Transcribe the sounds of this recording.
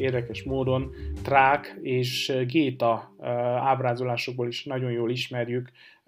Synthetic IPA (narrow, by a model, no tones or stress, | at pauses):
eːrd̪ɛkɛʃmoːd̪o̞nt̪raːkeːʃɡeːt̪ɒ | aːbraːzolaːʃo̞ɡ̚boːliʃnɒɟo̞njoːliʃmɛrjyk